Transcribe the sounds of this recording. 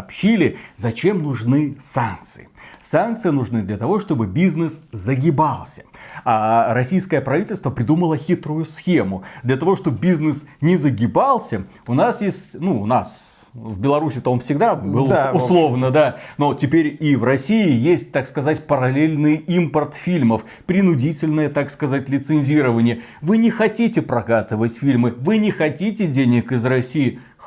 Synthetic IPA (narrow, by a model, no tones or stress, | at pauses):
pɕːilʲɪzɐt͡ɕe̞mnʊʐnɨsank̚t̪sɨ̰ɪsank̚t̪sɨjɪnʊʐnɨd̪lʲɐt̪ɐvo̞ʂt̪o̞bɨbʲiznɨszəɡʲɪbalˠsʲə̥aɾɐsʲijskəjəpɾɐvʲitʲɪlʲst̪vəpɾʲɪd̪uməlˠəxʲit̪ɾʊjʊsxʲemʊd̪lʲɐt̪ɐvo̞ʂt̪o̞bbʲiznɨsnʲɪzəɡʲɪbalˠsʲə | ʊnasjesʲtʲnuːnas | vbʲɪlˠɐɾusʲɪt̪onfsʲɪɡd̪abɨlˠʊslˠo̞vnəd̪anotʲɪpʲeɾʲivrɐsʲiɪjesʲt̚ʲt̪akskɐzatʲpəɾɐlʲelʲnɨjimpərt̪fʲilʲməf | pɾʲɪnʊdʲitʲɪlʲnəjət̪akskɐzatʲlʲɪt̪sɨnʲzʲiɾəvənʲɪjə | vɨnʲɪxɐtʲitʲɪpɾɐkat̪ɨvətʲfʲilʲmɨvɨnʲɪxɐtʲitʲɪdʲenʲɪkɪzrɐsʲijɪ